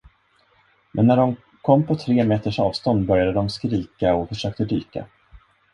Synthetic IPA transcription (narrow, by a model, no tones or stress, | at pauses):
mʔɛnːæɖɔm | kʰɔmːpʰɔt̪ʰɾeːmeːt̪əʂɑːvst̪ɔnd̪bœɾjad̪əd̪ɔmskɾiːkaɔfœʂøːk̚t̪əd̪yːka̰